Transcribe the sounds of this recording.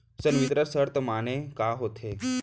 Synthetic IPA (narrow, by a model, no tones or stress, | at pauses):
sənʋit̪ɾəɾsəɾt̪əmañẽkaɦot̪ʰe